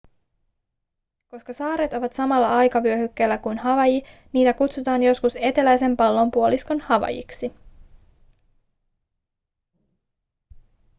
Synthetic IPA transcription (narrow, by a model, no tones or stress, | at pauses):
ko̞skɑsɑːɾet̪o̞ʋɑt̪sɑmɑlːɑɑjkɑʋyøhykːelːækujnɦɑʋɑjiniːt̪ækut̪sut̪ɑːnjo̞skuse̞t̪e̞læjse̞mpɑlːo̞mpuolisko̞nhɑʋɑ̰jḭksi